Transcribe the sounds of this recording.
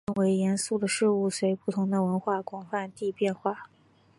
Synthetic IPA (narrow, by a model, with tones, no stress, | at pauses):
ə˥nwe˧˥ɪjɛ˧˥nsu˥˩d̪ə˩ʂɻ̩˥˧u˥˩swe˧˥ɪpu˥˩t̪ʰʊ˧˥ŋd̪ə˧wə˧˥nxwa˥˩kwɑ˨˩ŋfa˥˧nt̪i˥˧pjɛ˥˧nxwa˥˩